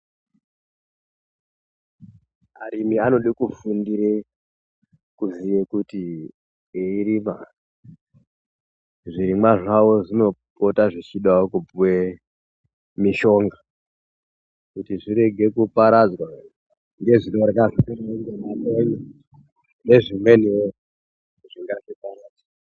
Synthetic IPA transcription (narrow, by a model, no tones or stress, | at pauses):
aɾimiano̞ɗikufundiɾe | kuzijekuti | eiɾima | ʐiɾimwaʐawo̞ʐino̞po̞taʐit͡ʃiɗaokupuwe | miʃo̞ŋɡa | kutiʐiɾe̞ɡʱe̞kupaɾad͡zwa | ŋɡe̞ʐino̞ɾkaʐieŋɡemaneɲe | ne̞ʐimwe̞neo | ʐ̥iŋɡaʐipaɾaːd͡zḁ